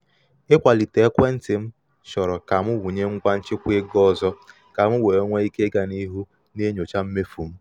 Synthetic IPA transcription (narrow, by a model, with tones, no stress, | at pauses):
ɪ˦kʷa˨li˨te˨˦kʷe˦n̩˦tɪ˨m̩˦ | ʃɔ˨ɾɔ˨ka˨mʊ˦wʊ˨ɲe˦ŋ̩˦kʷa˦n̩˦t͡ʃɪ˦kʷe˦ɡɔ˦˨zɔ˦ | ka˨mʊ˦we˨o˦ŋʷe˦i˦ke˦ɡa˨ni˦ɦu˦ | ne˦ɲo˨t͡ʃa˦m̩˦me˦fu˨m̩˦